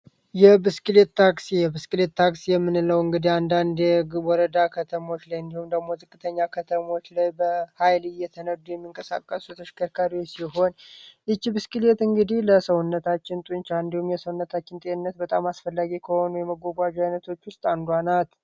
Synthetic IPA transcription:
jɛbɨskʼɨlet̪ʰːaksijɛbɨskʼɨlet̪ʰːaksijɛmːɨnləwɨŋɡɨd̪iand̪and̪ɛwɔɾəd̪akʰət̪ʰəmo̞t͡ʃːlajɨnd̪ihumd̪əɡmo̞zɨkʼːɨt̪ʰəɲːakʰət̪ʰəmo̞t͡ʃːlajbəhajlɨjɛt̪ʰənəd̪ujɛmːiŋkʼəsa̰kʼːəsut̪ʰəʃɪ̥kʰəɾkʰaɾiwot͡ʃsiɦo̞nʔɨt͡ʃːibɨskɨlet̪ɨŋɡɨd̪ihləsəwʊnːət̪ʰat͡ʃːɪnt̪ʼunt͡ʃaɨnd̪ihumjɛsəwunːət̪ʰat͡ʃːɪnt̪ʼeɨnːət̪̚bət̪ʼamasfəlːaɡikʰəho̞nujɛməɡʷoɡʷad͡ʒajnət̪ʰo̞t͡ʃːwʊst̪ʼand̪wanat̪

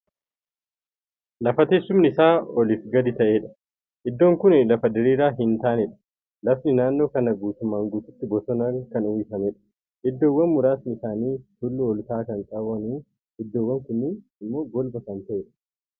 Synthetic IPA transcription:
lɐfɐt̪eːsːʊmnɪsaːɔlifɡɐd̪ɪt̪ɐʔe̞ːᶑɐ̥ | ʔɪd̪ːo̞ːŋkʊnlɐfɐd̪ɪɾiːɾaːɦɪnt̪aːnɛᶑɐ̥ | lɐfnɪnaːnːo̞ːkɐnɐɡuːt̪ʊmːaːŋɡuːt̪ʊ̥t̪ːɪɡɔsɔnɐkɐnʊjɪfɐmɛᶑɐ̥ | ʔɪd̪ːoːwɐnmʊɾaːsnɪsaːniːt̪ʊlːʊɔlt̪aːkɐnt̪ʼɐwɐnuː | ɪd̪ːoːwːɐŋkʊnːɪ | ɪmːo̞ːɡɔlbɐkɐnt̪ɐʔeːᶑɐ̥

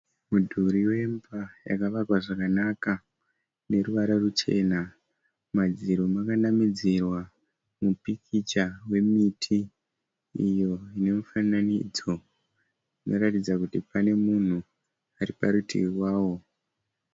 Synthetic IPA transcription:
mudʱuɾiwe̞mbaja̰kaʋakwaʐakanaka | ne̞ɾuʋaɾarut͡ʃe̞̰ːna | mad͡ziɾomakanamid͡zirwa | mupikʰit͡ʃawe̞mitʰi | ijo̞ine̞mufananḭd͡zo̞ | ino̞ɾatid͡zakutipane̞mun̤u | aɾipaɾutʰḭwirwaːwo̞

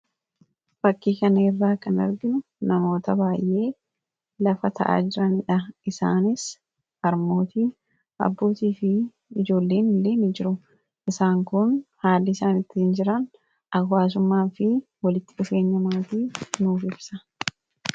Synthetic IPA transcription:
bɐkːiːkɐnɐɪrːaːkɐnɐ̰ɾɡɪnʊ | nɐmo̞ːt̪ɐbaːjʔe̞ː | lɐfɐt̪ʰɐ̰ʔa̰ːd͡ʒɪɾɐnɪᶑɐɪsa̰ːnɪs | ɐɾmo̞ːt̪iː | ɐ̰bːo̞ːt̪iːfɪ | ɪd͡ʒo̞ːlːe̞ːnɪlːe̞ːnɪd͡ʒɪɾʊ | ʔɪsaːŋkʊnhaːlːɪɪsaːnɪt̪ːɪɪnd͡ʒɪɾɐn | ʔɐwːaːs̬ʊmːaːfɪ | wɐlɪt̪ːɪᶑʊfe̞ːɲːɐmaːt̪iːnuːfɪbsɐ

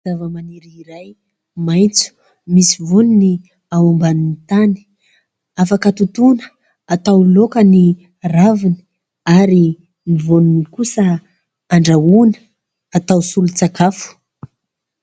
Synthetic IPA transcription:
zavəmaniɾiiɾaj | majt͡su̥ | misivonini | awambaninit̪ani̥ | afakət̪ut̪unə̥ | at̪awlokəni | ravini̥ | aɾi | mivoninikusə | aɳɖ͡ʐaunə̥ | at̪awsulut͡sakafu̥

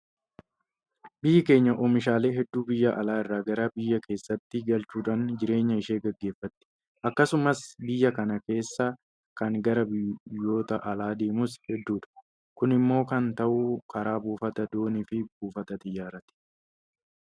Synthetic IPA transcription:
bɪjːɪke̞ːɲːɐʔɔmɪʃaːle̞ːɦɛd̪ːuːbɪjːɐʔɐlaːɪrːaːɡɐɾɐbɪjːɐke̞ːsːɐt̪ːɪɡɐlt͡ʃuːᶑaːnd͡ʒɪɾe̞ːɲːɐɪʃeːɡɐɡːe̞ːfːɐt̪ːɪ̥ | ʔɐkːɐsʊmɐsbɪjːɐkɐnɐke̞ːsːa | kɐŋɡɐɾɐbɪjːo̞ːt̪ɐʔɐlaːd̪e̞ːmʊshɛd̪ːuːᶑɐ̥ | kʊnɪmːo̞ːkɐnt̪ɐʔʊkʰɐɾaːbuːfɐt̪ɐd̪oːnɪfɪbuːfɐt̪ɐt̪ʼɪjːaːɾɐt̪ɪ̥

